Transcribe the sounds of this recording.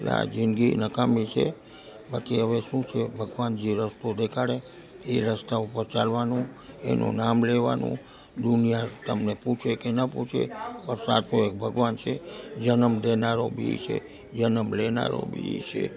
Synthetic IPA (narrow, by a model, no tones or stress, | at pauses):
la̰d͡ʒɪnɡinəkamĩt͡ʃʰe | bakiəʋeʃũt͡ʃʰebʱəɡʋand͡ʒeɾəst̪od̪ekʰaɽe | eɾəst̪aupəɾt͡ʃalʋanũḛnʔṵ̃namleʋa̰nṵ̃ | d̪unijat̪əmneput͡ʃʰekenəpṵt͡ʃʰḛpəɾsa̰t̪ʰoek̚bʱəɡʋant͡ʃʰed͡ʒənəmd̪enaɾobḭt͡ʃʰḛ | d͡ʒənəmlena̰ɾo̰bḭt͡ʃʰe